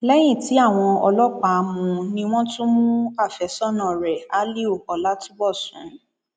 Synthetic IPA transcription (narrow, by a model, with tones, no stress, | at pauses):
lɛ˦j̃ĩ˦˨ti˨˦a˦˨w̃ɔ̃˧ɔ˧lɔ˦k͡pa˨˧mũ˧nĩ˧˦w̃ɔ̃˦to˦mũ˦a˦˨fɛ˨sɔ˦nã˨ɾɛ˨a˨˦li˦o˦˨kɔ˨la˦tu˦bɔ˦˨sṵ̃˨